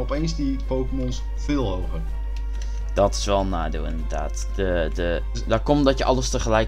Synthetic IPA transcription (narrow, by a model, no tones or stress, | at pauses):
ɔpejnsdi | powkəmɔns | fɪːlˠɦowɣər | d̥ɔtɪ̥sʋɛlˠnaːdḛwɪ̰ndədaːt | dədə | dɔkɔmdɔtjəʔɑlˠəstəχəlɛj